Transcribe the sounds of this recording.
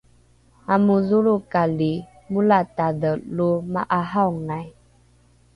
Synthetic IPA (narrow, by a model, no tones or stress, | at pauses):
amuzuɾukali | mulatadəlumaʔaɦawŋaj